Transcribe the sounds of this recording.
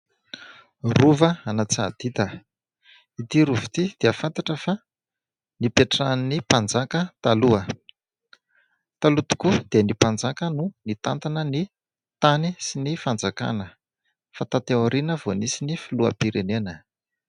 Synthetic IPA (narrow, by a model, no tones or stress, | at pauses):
ruvəanat͡sad̪̥it̪ə | it̪iɾuvi̥t̪id̪̥eəfant̪aʈ͡ʂəfa | nipeʈ͡ʂannipand͡zakət̪aluə | t̪alut̪u̥kud̪̥eənipand͡zakənunit̪ant̪anəni | t̪anisinifand͡zaka̰nə | fat̪at̪ewaɾinəvonisinifiluə̰piɾenenə